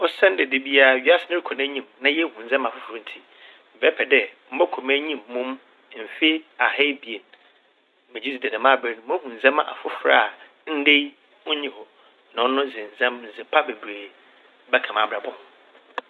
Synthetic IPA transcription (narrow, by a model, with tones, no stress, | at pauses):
ɔ˦sɛ̃˦n˦dɛ˨de˨bi˦a˦˨ɥi˨˦a˦sɪ˦nɪ̃˦ɾi˦kʰɔ˨næ˦ɲĩ˦˨mnã˦jɛ˦hũ˨n̩˨zɛ̃˦ma˨fʊ˦fʊ˨ɾã˨˦n̩˨tʰi˦ | m̩˨bɛ˦pʰɛ˨dɛ˦m̩˦bɔ˦kʰo˨mæ˦ɲĩ˦mːũ˦m˦ | m̩˨fe˦a˨hɛ˦bi˨e˨n˨ | mɛ̃˨d͡ʑi˦si˨dɛ˨nã˨mã˦˨bɾe˦˨n˨˦m̃˦hũ˨n̩˨zɛ̃˦m˦˨ʔa̰˨fʊ˦fɾa̰˨ | n̩˦de˦j | ʊ̃˦ɲĩ˨hɔ˨ | nã˨˦nʊ̃˦zɪ̃˨n̩˨zã˦mn̩˨zɪ˨pʰa˦be˨bɾeː˨˦ | bɛ˦kʰã˨ma˨bɾa˨bɔ̃˨m˨